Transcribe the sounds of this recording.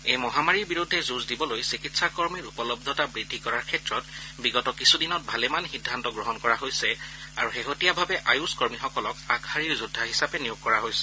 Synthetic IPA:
ejmɔɦamaɹiɹbiɹudʱːɛzuzdibɔlojsikitsakɔɹmiɹupɔlɔb̚d̪ʱɔtabɹidʱːikɔɹaɹkʰɛtɹɔtbiɡɔtɔkisʰudinɔt̚bʱalɛmanxidʱːantɔɡɹɔɦɔnkɔɹaɦojsɛa̰ɹuxeɦotijabʱabɛʔajuskɔɹmixɔkɔlɔkakʰaɹiɹzudʱːaɦisapɛnijʊɡ̚kɔɹaɦojsɛ̥

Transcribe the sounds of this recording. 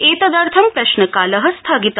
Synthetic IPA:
eːt̪ɐd̪aːɾt̪ʰɐmpɾɐʃnɐkaːlɐɦɐst̪ʰaːɡit̪

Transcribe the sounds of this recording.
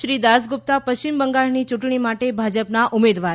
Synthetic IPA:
ʃɾid̪asɡʊp̚t̪apəʃt͡ʃimbəŋɡaɭnit͡ʃuʈɳimaʈebʱad͡ʒəpnaʔʊmed̪ʋaɾ

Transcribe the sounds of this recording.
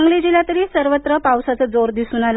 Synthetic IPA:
ŋɡɭid͡ʑilat̪əɾiːsəɾʋət̪ɾəpawsat͡səd͡zoɾd̪isuːnal

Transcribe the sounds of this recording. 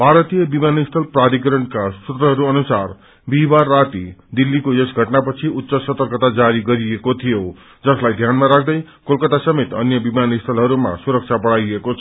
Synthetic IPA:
bʱaɾʌt̪ijʌbimanist̪ʰʌlprad̪ikɾʌnkasut̪rʌɦʌɾuʌnusar | bibarːat̪id̪ilːikojʌsɡʱʌʈnapʌt͡sʰiut̪ːsʌsʌt̪ʌrkʌt̪ad͡zaɾiɡʌɾiekot̪ʰijo | d͡zʌslajd̪ʱjanmaɾak̚ʰd̪ʌj | kolkʌt̪asʌmet̪ʌ̰njʌbimanist̪ʰʌlɦʌɾuma̰suɾʌk̚t͡sʰapʌɽajekot͡sʰʌ

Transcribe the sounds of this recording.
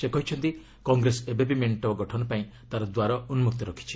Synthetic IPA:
sekɔɦit͡ʃʰɔnt̪i | kɔŋɡɾesebebimeɳʈɔɡɔʈʰɔnɔpaĩt̪aɾɔd̪waɾɔunmuk̚t̪ɔɾɔkʰi̥t͡ʃʰi̥

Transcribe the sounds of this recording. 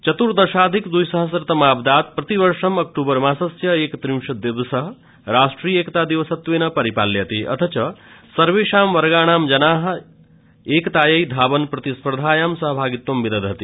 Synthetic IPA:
t͡ʃɐt̪uɾd̪ɐʃaːd̪ʱikd̪ujsɐɦəs̬ɾɐt̪ɐmaːbd̪aːt̪̚pɾɐt̪ibɐɾʃɐmɐkʈuːbəɾmasɐsjɐeːkt̪ɾiwʃɐd̪ibsɐɦ | ɾaːsʈɾijeːkt̪aːd̪iʋəsɐt̪ʋeːnɐpɐɾipa̰ːlːjet̪iʔɐ̰t̪ʰɐt͡ʃɐsɐɾʋeːʃaːmʋɐɾɡaːɽ̃aːmd͡ʒɐnaːɦ | eːkt̪aːjɐjd̪ʱaːbənpɾɐt̪ispɾd̪ʱaːjamsɐɦəbʱaːɡit̪wɐmbid̪ɐd̪ɦɐt̪i

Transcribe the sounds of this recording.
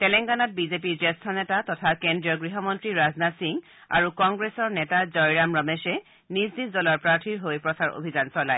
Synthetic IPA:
tɛlɛŋɡanɔt̚bizep̬iɹzɛstʰɔnɛtatɔtʰakendɹijɔɡɹiɦɔmɔntɹiɹaznasiŋ | a̰ɹukɔŋɡɹesɔɹnɛtazɔjɹamɹɔmɛsɛ | nisdiszɔlɔɹpɹaɹtʰiɹɦojpɹɔsaɹo̰bʱizansɔla̰j

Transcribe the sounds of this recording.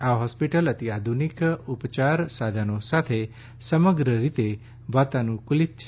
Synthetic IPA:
aɦɔspiʈələt̪iad̪ʱunikupt͡ʃaɾsad̪ʱanosat̪ʰe | səməɡɾəɾit̪e | ʋat̪anũkulit̪̚t͡ʃʰ

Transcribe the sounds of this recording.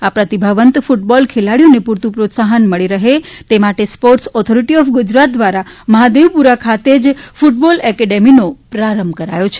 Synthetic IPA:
apɾət̪ibʱəʋənt̪fuʈ̚bɔlkʰelaɽjonepuɾt̪ũpɾot̪saɦənməɭiɾəɦet̪emaʈespoɾʈsɔt̪ʰoɾiʈiɔfɡʊd͡ʒɾat̪̚d̪ʋaɾaməɦad̪eʋpuɾakʰat̪ed͡ʒfuʈ̚bɔlɛkɛɖeminopɾaɾəmbkəɾa̰jot͡ʃʰe̥

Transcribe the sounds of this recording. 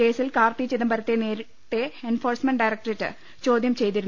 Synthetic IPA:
e̞ːsilkaːrt̪it͡ɕːiðɐmbɐɾɐt̪ːeneːɾ | t̪ːe̞enfo̞ːrsmeɳɖɐjɾɐkʈɐretːɨ̰ | t͡ɕo̞ːd̪ʱjɐmt͡ɕe̞jt̪iɾun

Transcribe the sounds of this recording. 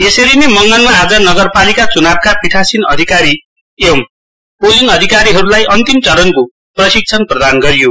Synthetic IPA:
esʌɾinemʌŋɡʌnmaɦad͡zʌnʌɡʌrpalikat͡sunab̚kapiʈʰasinʌ̰d̪ʱikaɾi | em | pod͡zinʌd̪ʱikaɾiɦʌɾulajʔʌnt̪imt͡sʌɾʌnko | prʌsik̚t͡sʰʌnprʌd̪anɡʌɾijo

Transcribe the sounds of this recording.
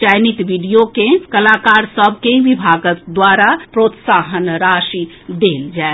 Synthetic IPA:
t͡ʃajnit̪ʋiɖijokekəlakaɾsəbʱkebibʱaɡəkd̪waɾapɾot̪saɦənɾaʃi | d̪eld͡ʒae

